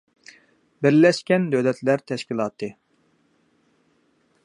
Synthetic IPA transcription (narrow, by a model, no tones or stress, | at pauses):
bɪɾlɛʃkʲɛnd̪øwlɛt̪ʰlæɾt̪ʰɛʃkʲilˠɑːt̪ʰɨ